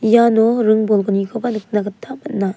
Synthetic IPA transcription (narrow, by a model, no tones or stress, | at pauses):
janoɾɯŋbɔlɡɯnikʰobanɯk̚naɡɯtʰamɐt̚na